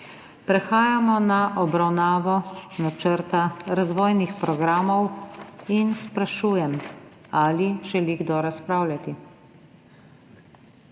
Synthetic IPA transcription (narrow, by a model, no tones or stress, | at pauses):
pɾɛxaːjamɔnaʔɔbɾawnaːʋɔnat͡ʃəɾt̪aɾazʋɔːjnixpɾɔɡɾaːmɔwinspɾaʃuːjɛm | aliʒɛliɡd̪ɔɾaspɾaːwlʲat̪i